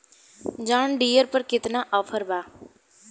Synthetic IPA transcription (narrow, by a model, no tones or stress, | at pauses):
d͡ʒaːɳɖiːəɾpəɾkɪt̪naːʔɔːpʰəɾbaː